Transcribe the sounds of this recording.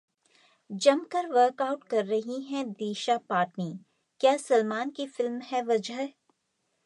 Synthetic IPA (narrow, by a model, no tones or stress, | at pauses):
d͡ʒɐmkɐɾʋəːɾkaːʊʈkɐɾːɐɦiɦɛ̃d̪iːʃapaːʈniː | kjaːsɐlmaːnkifɪlmhɛʋɐd͡ʒəɦ